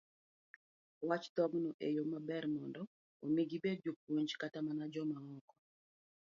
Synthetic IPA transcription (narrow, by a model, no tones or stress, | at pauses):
wat͡ʃt̪ɔɡnɔʔejomabɛrmɔndɔ | omiɡibed̚d͡ʒop̚woɲd͡ʒkatamanad͡ʒɔmaɔkɔ̥